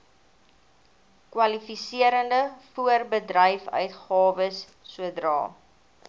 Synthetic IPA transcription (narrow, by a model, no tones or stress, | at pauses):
kwɐlifisiəɾəndəfuərbədrəjfœ̰ɥtχɑːvəsː | uədrɑ̰ː